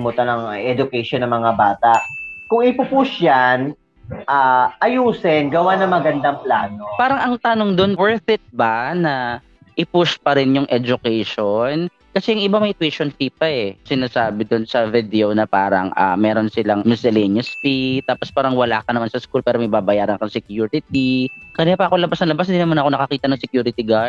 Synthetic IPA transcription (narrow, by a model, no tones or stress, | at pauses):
mʊt̪ɐnɐŋʔɛd͡ʒʊkɛjʃonːɐŋmɐŋabaːt̪aʔkʊŋɪpʊpʊʃjan | ʔaʔɐjuːsɛnɡɐwanɐŋmɐɡɐnd̪ɐŋplaːnopaːɾɐŋʔɐŋt̪ɐnoŋd̪onwɛɹθɪt̪̚bɐnɐ | ʔɪpʊspɐɾɛnjʊŋʔɛd͡ʒʊkɛjʃon | kɐsɛjʊŋʔɪbamɐjt̪wɛʃonfiːpɐʔɛsɪnaːsaːbɪd̪ʊnsɐvɪd̪ɛonɐpaːɾɐ̰ŋʔa̰mɛːɾonsɪlaŋmɪsɛlɛnɐspit̪aːpospaːɾɐŋwɐla̰ːkɐnɐmansɐskulpɛːɾomɐjbaːbɐjaːɾɐnkɐŋsɛkjuɾɪt̪̚ikɐnɪjaːpɐʔɐkolɐbasnɐlɐbas̬hɪnd̪inɐmanɐkonɐkɐkiːt̪ɐnɐŋsɛkjuːɾɪt̪iɡa